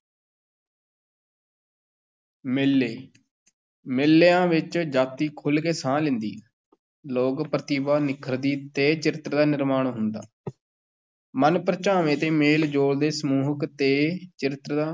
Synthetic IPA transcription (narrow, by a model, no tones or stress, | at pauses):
mɪlːeː | mɪlːeːãːʋɪt͡ʃd͡ʒaːt̪iːkʰʊlkeːsãːlɪ̃nd̪ḭː | loːkpɾət̪iːbaːnɪkʰəɾd̪iːt̪eːt͡ʃɪɾɪt̪ɾd̪aːnɪɾmaːɳɦʊnd̪a̰ː | mənpɾət͡ʃaːʋẽːt̪eːmeːld͡ʒoːɽd̪eːsəmuːɦəkt̪eːt͡ʃɪɾɪt̪ɾd̪aː